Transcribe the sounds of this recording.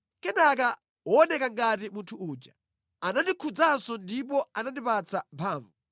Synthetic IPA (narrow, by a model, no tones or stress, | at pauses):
kɛnaka | ɔːnɛkaŋɡatimuntʰuuːd͡ʒa | anandikʰud͡zansɔndip̬ɔanandipat͡sʰampʰaːɱvu